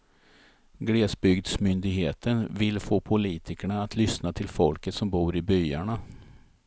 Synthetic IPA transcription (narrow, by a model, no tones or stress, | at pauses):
ɡɽeːsbʏɡd̪smʏnd̪ɪɡɦeːt̪ʰənvɪlfoːpʰʊliːt̪ʰɪkəɳaːt̪ʰlʏsnat̪ʰɪlfɔlkət̪sɔmbuːɾɪbʏjaɳa